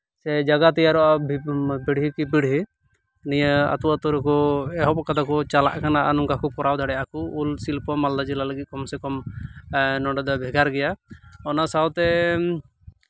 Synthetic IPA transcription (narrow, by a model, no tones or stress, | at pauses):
sɛd͡ʒaɡat̪ɛjaɾɔʔabbiɽɦikipiɽ̤ɦi | nijəa̰t̪uwat̪ɔɾɛkɔɛɦɔpɔkat̪ʰakɔt͡ʃala̰ʔkanaʔanɔmkakɔpɔɾawd̪ʱaɽɛjakuulsilpɔmald̪ad͡ʒɛlaləɡit̪̚kɔmsɛkɔm | nɔɳɖɔd̪ɔbʱɛɡaɾɡɛjaɔnasawt̪ɛ